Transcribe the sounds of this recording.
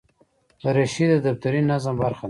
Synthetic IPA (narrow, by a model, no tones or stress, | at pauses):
əɾeʃid̪əd̪aft̪aɾinazəmbaɾxa